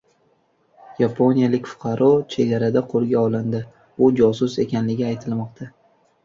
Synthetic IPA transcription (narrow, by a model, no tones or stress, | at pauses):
japʰo̞nijalɪkʲfʊ̥qʰɑɾʔɒt͡ʃʰe̞ɡʲaɾad̪aqʰolˠɡʲaɒlˠɪnd̪ɪ | ʊd͡ʒɒsʊse̞kʲanlɪɡʲɪajt̪ʰɪlmɒqt̪ʰa